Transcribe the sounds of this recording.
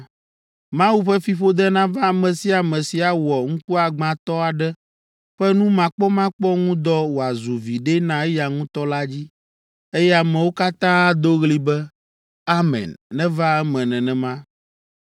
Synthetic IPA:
mã˦wu˦ɸɛ˦fi˨ɸo˦d̪ɛ˦nã˦vã˦a˨mɛ̃˨si˦a˨mɛ̃˨si˨a˨wɔ˨ŋ̩˦ku˦a˨ɡ͡bã˨t̪ɔ˦a˨ɖɛ˦ | ɸɛ˦nũ˦mã˨k͡pɔ˦mã˦k͡pɔ˦ŋũ˦d̪ɔ˦wo˨a˨zu˨vi˨ɖɛ˦nã˨ɛ˦ja˨ŋũ˦t̪ɔ˦la˦d͡ʑi˦ | e˦jɛ˦a˨mɛ̃˨wo˦ka˦t̪ã˦d̪o˦ɣli˦bɛ˦ | a˦mɛ̰̃˨nːɛ̃˦vã˦ɛ˦mɛ̃˨nɛ̃˨nɛ̃˨mã˦

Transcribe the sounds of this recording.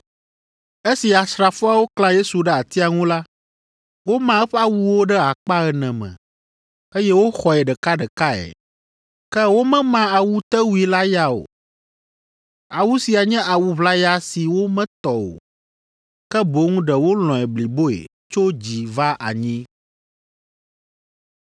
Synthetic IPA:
e˦si˨a˨sɾa˨fo˦a˨wo˦klã˦je˦su˨ɖɛ˦a˨t̪i˦a˨ŋũ˦la˦ | wo˦mã˨ɛ˦ɸa˦wu˦wo˦ɖɛ˦a˨k͡pa˦ɛ˦nɛ̃˨mɛ̰̃˨ | e˦jɛ˦wo˦xɔ˨ɛ˨ɖɛ˨ka˦ɖɛ˨ka˦ɛ̰˨ | kɛ˦wo˦mɛ̃˦mã˦a˨wu˦t̪ɛ˦wu˦i˨la˦ja˦o̰˨ | a˨wu˦si˨a˨ɲɛ̃˦ʔa˨wu˦βla˦ja˦si˨wo˦mɛ̃˦t̪ɔ˨o̰˨ | kɛ˦bo˦ŋũ˦ɖɛ˨wo˦l̃ɔ̃˨ɛ˨bli˨bo˦ḛ˨ | t͡ʃo˦d͡ʑi˨va˦ʔa̰˨ɲĩ˦

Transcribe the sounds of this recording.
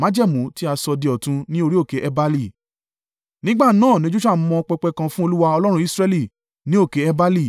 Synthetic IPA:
mã˨˦d͡ʒɛ˦˨mũ˨˦ti˦a˧sɔ˧de˧˨ɔ˨tũ˧nĩ˦o˧ɾi˦o˦˨ke˨˦ʔɛ˧ba˦li˦˨ | nĩ˦ɡ͡ba˦˨nãː˦˨nẽ˨˧˦d͡ʒu˦ʃa˦˨˦mɔ̃˧k͡pɛ˧k͡pɛ˧kã˧fũ˦o˧lu˦wa˧ɔ˧lɔ˦ɾũ˧˦i˦sɾɛ˧li˨ | nĩ˦o˦˨ke˨˦ɛ˧ba˦li˦˨

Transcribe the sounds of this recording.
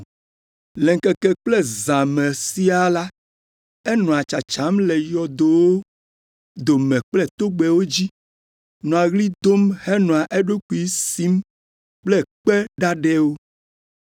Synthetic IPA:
lɛ˨kɛ˨kɛ˨k͡plɛ˦zã˨mɛ̃˨si˦a˨la˦ | ɛ˦nɔ̃˨a˨t͡ʃa˨t͡ʃa˨˦mlɛ˨jɔ˨d̪o˨wo˦ | d̪o˨mɛ̃˨k͡plɛ˦t̪o˦ɡ͡bɛ˨wo˦d͡ʑi˦ | nɔ̃˨a˨ɣli˦d̪o˦mhɛ˦nɔ̃˨a˨ʔe˦ɖo˦ku˦˨i˦si˦m | k͡plɛ˦k͡pɛ˦ɖa˦ɖɛ˦wo˦

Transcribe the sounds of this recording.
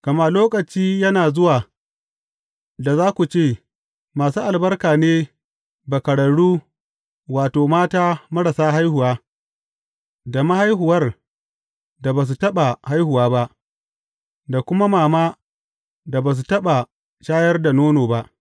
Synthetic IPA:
kɐ˨ma˦˨loː˦kɐ˨t͡ʃiː˦jɐ˦naː˨zʊ˦waː˨ | da˨zaː˦kʷu˨t͡ʃeː˦˨ | maː˨suː˦ʔa˨lbɐ˦rkaː˨neː˦ | baː˨kɐ˨ɽɐ˨ɽuː˦ | waː˨toː˨maː˦taː˦mɐ˦ɽɐ˨saː˦ɦa˦jhʊ˨waː˦ | da˨ma˦ha˦jɦʊ˨wɐ˦r | da˨baː˨s̬u˨tɐ˦ɓa˨ha˦jhʊ˨waː˦ba˦ʔ | da˨kʷʊ˦ma˦maː˨maː˦ | da˨ba˨s̬u˨tɐ˦ɓa˨ | ʃaː˦jɐ˦rda˨noː˦noː˨ba˦ʔ

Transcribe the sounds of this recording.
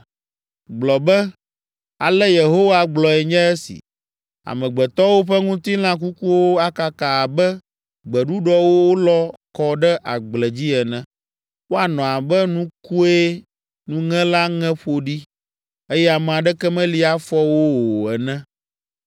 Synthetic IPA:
ɡ͡blɔ˨bɛ˦ | a˨lɛ˦je˨ɦo˦wa˦ɡ͡blɔ˨ɛ˨ɲɛ̃˦ɛ˦sḭ˨ | a̰˨mɛ̃˨ɡ͡bɛ˨t̪ɔ˦wo˦ɸɛ˦ŋũ˦t̪i˦l̃ã˦k̬u˦ku˦wo˦a˦ka˦ka˨a˨bɛ˦ | ɡ͡bɛ˨ɖu˦ɖɔ˦wo˦wo˦lɔ˦kɔ˨ɖɛ˦ʔa˨ɡ͡blɛ˨d͡ʑi˦ɛ˨nɛ̃˦ | wo˦a˨nɔ̃˨a˨bɛ˦nũ˦ku˦e˦ | nũ˦ŋɛ̃˦la˦ŋɛ̃˦ɸo˦ɖi˦ | e˦jɛ˦a˨mɛ̃˨a˨ɖɛ˦kɛ˦mɛ̃˦li˦a˦fɔ˦wo˦wo˨ɛ˨nɛ̃˦

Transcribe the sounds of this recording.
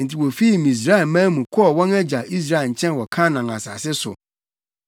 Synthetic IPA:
n̩˨tʰɪ˨wɔ˨fi˦˨mĩ˨s̬ɾa˦ɛ˨lmãː˦mũ˨kʰɔ˦ɔ˨wɔ̃˦næ˦d͡ʑa˨ʔi˦s̬ɾa˦˨ɲ̩˨t͡ɕʰɛ̃˦nwɔ˨kʰã˦nã˨ŋa˨sa̰˨sɪ˦sʊ̰˨

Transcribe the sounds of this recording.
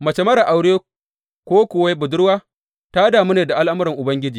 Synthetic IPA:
mɐ˨t͡ʃe˨mɐ˦ɾa˨ʔa˨wɽeː˦ | kʷoː˦kʷʊ˨wa˦jbʊ˨dʊ˦ɽwaː˦ | ta˦daː˨mu˦neː˨da˨ʔa˦lʔa˦m˦ɾɪ˨ŋʔʊ˨bɐ˦ŋɡʲɪ˦d͡ʒiː˨

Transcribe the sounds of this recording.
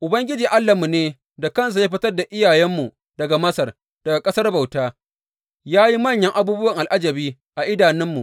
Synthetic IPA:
ʔʊ˨bɐ˦ŋɡʲɪ˦d͡ʒiː˨ʔa˦lːɐ˨mu˨neː˦ | da˨kɐ˦ns̬a˨jaː˦ɸɪ˦tɐ˦rda˨ʔɪ˦jaː˨jɛ˦mːu˨ | dɐ˨ɡa˨mɐ˦sɐ˨r | d̥ɐ˨ɡa˨kʼɐ˦sɐ˦rba˨wtaː˦ | jaː˦ji˦mɐ˦˨ɲjɐ˦ŋʔa˦buː˦bʊ˦wɐ˨ŋʔa˨lʔa˦d͡ʒɐ˨biː˦ | ʔa˨ʔɪ˦daː˨nɪ˦mːu˨ʔ

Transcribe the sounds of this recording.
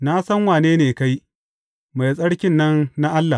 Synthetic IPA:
na˦sɐ˦ŋwaː˨neː˦neː˨ka˦j | ma˨jsʼɐ˦ɽkʲɪ˦nːɐ˦nːa˦ʔa˦lːa˨

